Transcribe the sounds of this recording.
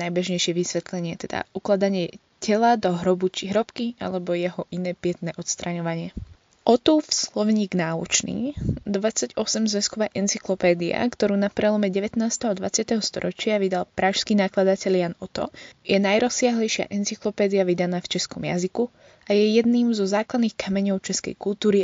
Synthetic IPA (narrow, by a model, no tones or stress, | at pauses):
najbɛʒɲɛjʃɪɛʋisʋɛt̪lɛɲɪɛt̪ɛd̪a̰uklad̪aɲɪɛ | cɛlad̪ɔɦɾɔbut͡ʃiɦɾɔpkia̰lɛbɔjɛɦɔʔinɛːpɪɛt̪nɛːʔɔt̪st̪ɾaɲɔʋaɲɪɛ | ʔɔt̪uːfslɔʋɲiːɡnaːut͡ʃnḭːd̪ʋat͡sːaɟɔsɛmzʋɛskɔʋaːʔɛnt͡siklɔpɛːd̪ia̰kt̪ɔɾuːnapɾɛlˠɔmɛɟɛʋɛt̪naːst̪ɛɦɔd̪ʋa̰t͡sɪat̪ɛɦɔst̪ɔ̰ɾɔt͡ʃɪaʋid̪alˠpɾaːʃskiːnaklad̪acɛʎjanɔt̪ɔ̰jɛnajɾɔsːɪaɦlɛjʃɪa̰ʔɛnt͡siklɔpɛːd̪iaʋid̪anaːft͡ʃɛskɔmja̰ziku | ajɛjɛd̪niːmzɔzaːklad̪niːxkamɛɲɔʊt͡ʃɛskɛ̰jkult̪uːɾi